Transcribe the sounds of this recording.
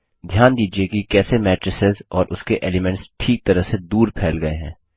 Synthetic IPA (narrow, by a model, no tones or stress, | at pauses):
d̪ʱjaːnd̪iːd͡ʒiekikɛːsemɛːʈɾəsɪzɔːɾʔʊskeʔeːlɪmɛ̃ɳʈsʈʰiːk̚t̪ɐɾəɦsed̪uːɾpʰɛːlɡɐeɦɛ̃ː